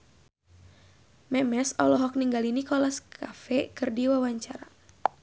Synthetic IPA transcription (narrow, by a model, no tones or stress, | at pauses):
mɛmɛsɔlɔɦɔk̚niŋɡalinikɔlaskʰafɛkɨrdiwawaɲt͡ʃaɾa